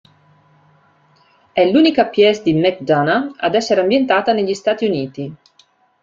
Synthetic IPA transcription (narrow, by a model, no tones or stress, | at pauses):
ɛluːnikapjɛsd̪imɛkd̪anaad̪ɛsːeɾeambjent̪aːt̪aneʎːist̪aːt̪iuniːt̪i